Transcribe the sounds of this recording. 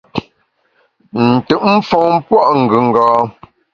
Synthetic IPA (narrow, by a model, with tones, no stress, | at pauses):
n̩˨tʉ˨ʔm̩˦fɔ˨ŋ˦pwɔ˦˨ʔŋ̩˨ɡʉ˨ŋ̩˨ɡɔː˨˦